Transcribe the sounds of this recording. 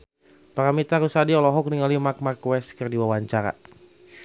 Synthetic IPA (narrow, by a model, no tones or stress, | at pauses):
paɾamit̪aɾusadiɔlɔɦɔk̚niŋalimak̚markwɛskərdiwawaɲt͡ʃaɾa̰